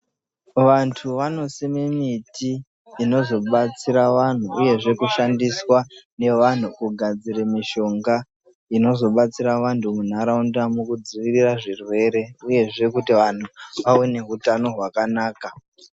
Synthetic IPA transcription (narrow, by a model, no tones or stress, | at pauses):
ʋantʰuʋano̞simimitiː | no̞zo̞ɓat͡siɾaʋan̤uʔːje̞ʐe̞kuʃandiswane̞ʋan̤ukuɡʱad͡ziɾemiʃo̞ŋɡa | ino̞zo̞ɓat͡siɾaʋantʰumun̤aɾaundamukud͡ziʋiriraʐirwe̞ɾe̞uje̞ʐe̞kutiʋan̤uʋaone̞ɦutano̞ɦwakanaːka